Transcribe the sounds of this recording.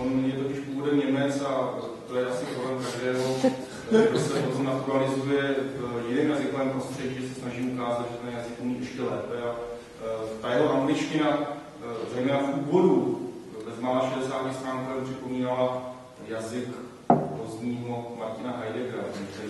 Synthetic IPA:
onjɛt̪o̞cɪʃpuːvodɛmɲɛmɛt͡sa | t̪ojɛʔasɪpɾolɛmkaʒdɛːɦo̞ | ɡdosɛpozɛnat̪uɾalɪzujɛvjɪnɛːmjazɪkovɛːmpɾo̞st̪r̝̥ɛɟiːʒɛsɛsnaʒiːmukaːzat̪ʒɛt̪ɛnjazɪkumiːʔut͡ʃɪ̥cɛlɛːpɛa | t̪ajɛɦoʔamɡlɪt͡ʃcɪna | zɛjmɛːnafʔuːvo̞dubɛzmaːlaːʃɛdɛsaːt̪ɪst̪ɾaːŋkaɾɛnpr̝ɪpo̞miːnala | jazɪk | po̞zɲiːɦo̞maɾcɪnaɦajdɛɡɾakt̪ɛɾi

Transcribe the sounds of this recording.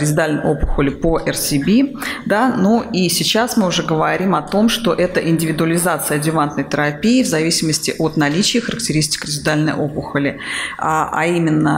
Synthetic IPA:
ɾʲɪzʲɪd̪alʲnə̰jopʊxəlʲɪpoʔɛrsʲɪbʲid̪anuisʲɪt͡ɕasmɨʊʐɛɡəvɐɾʲimɐt̪o̞mʂt̪o̞ʔɛt̪əʔɪnʲdʲɪvʲɪd̪ʊəlʲɪzat̪sɨəɐdʲɪvant̪nəjt̪əɾɐpʲiɪvzɐvʲisʲɪməsʲtʲɪʔot̪nɐlʲit͡ɕɪjəxəɾək̚tʲɪɾʲis̬ʲtʲɪ̥kɾʲɪzʲɪd̪alʲnə̰jʔo̞pʊxəlʲɪaʔa̰imʲɪnːə̰

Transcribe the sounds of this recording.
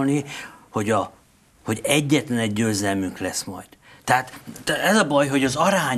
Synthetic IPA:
lniho̞ɟɒ | ho̞ɟɛɟːɛt̪lɛnɛɟːøːzɛlmyŋklɛsmɒ̰jd̪̥t̪ːɛɦaːt̪ɛzɒbɒjɦo̞ɟɒzɒɾaːɲ

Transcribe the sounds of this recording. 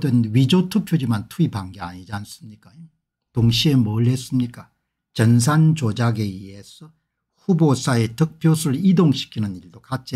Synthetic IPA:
denɥid͡ʑotʰupʰjod͡ʑimantʰuibaŋɡeaɲid͡ʑans͈ɯmɲik͈ae | toŋɕʰie̞mʌɭːe̞s͈ɯmɲik͈a | t͡ɕʌns̬ʰant͡ɕod͡ʑaɡe̞ie̞sʰʌ | ɸubos͈ʰae̞tʌk̚pʰjosʰɯɾɯɭidoŋɕʰi̥kʰinɯniɭdokat͡ɕ͈i

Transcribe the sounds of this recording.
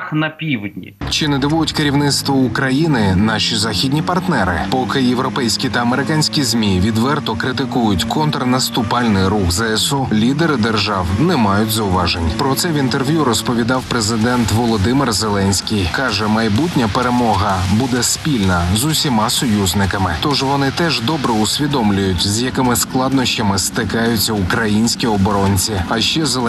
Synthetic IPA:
xnɐpʲiwdʲnʲḭt͡ʃɪnɛd̪ɪʋujʊtʲkeɾʲiwnɪt̪st̪ʋɔʊkɾɐjinɪnɑʃʲizɑxʲidʲnʲipɐrt̪nɛɾɪ̰pɔkɪjewɾɔpɛjsʲkʲit̪ɐɐmeɾɪkɑnʲsʲkʲizʲmʲiʋʲid̪ʋɛrt̪ɔkɾɪt̪ɪkujʊtʲkʰɔnt̪ɾɐnɐst̪ʊpɑlʲnɪjɾuxzɛɛsulʲid̪eɾɪd̪erʒɑwnɛmɑjʊtʲzɐʊʋɑʒenʲpɾɔt̪sɛʋint̪erʋʲjuɾɔspɔʋʲid̪ɑwpɾezɪd̪ɛnt̪ʋɔlˠɔd̪ɪmɪrzelˠɛnʲsʲkʲijkɑʒɛmɐjbutʲnʲɐpeɾemɔɦɐbud̪ɛspʲilʲnɐzʊsʲimɑsɔjuzʲnɪkɐmɪt̪ɔʒʋɔnɪt̪ɛʒd̪ɔbɾɛʊsʲʋʲid̪ɔmlʲʊjʊtʲzjɐkɪmɪsklˠɑd̪nɔʃt͡ʃɐmɪst̪ɪkɑjʊt͡sʲːɐʊkɾɐjinʲsʲkʲiɔbɔɾɔnʲt͡sʲiɐʃt͡ʃːɛze

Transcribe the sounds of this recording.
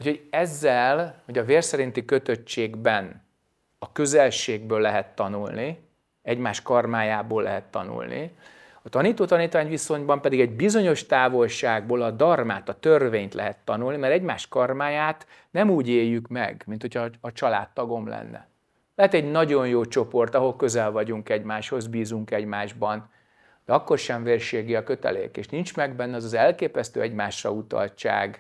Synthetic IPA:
ucʰhoɟɛzːɛlho̞ɟɒveːrsɛɾint̪ikø̞t̪øt͡ʃːeːɡbɛn | ɒkø̞zɛlʃeːɡbøːlːɛɦɛt̪ːɒnulni | ɛɟmaːʃkɒrmaːjaːboːlːɛɦɛt̪ːɒ̰nṵlnḭ | ɒt̪ɒniːt̪oːt̪ɒniːt̪ʋaːɲʋiso̞ɲbɒmpɛd̪iɡɛɟbizo̞ɲo̞ʃt̪aːvo̞lʃaːɡ̚boːlɒd̪ɒrmaːt̪ɒt̪ørveːɲt̪lɛ̰ɦɛt̪ːɒnulnimɛɾɛɟmaːʃkɒrmaːjaːt̪ | nɛmuːɟeːjːykmɛ̰ɡmint̪ho̞cʰɒːt͡ʃɒla̰ːt̪ːɒɡo̞mlɛ̰nːɛ̰ | lɛɦɛt̪ɛɟnɒɟo̞njoːt͡ʃo̞po̞rt̪ɒɦo̞lkøzɛlvɒɟuŋkɛɟmaːʃho̞zbiːzuŋkɛɟmaːʒbɒn | d̪ɛɒkːo̞rʃɛɱveːrʃeːɡiɒkø̞t̪ɛ̰lḛːkḛːʃnint͡ʃmɛɡbɛnːɛɒzɒzɛlkeːpɛst̪ø̰ːɛɟmaːʃrɒ̰ut̪ɒ̰lt͡ʃa̰ːɡ

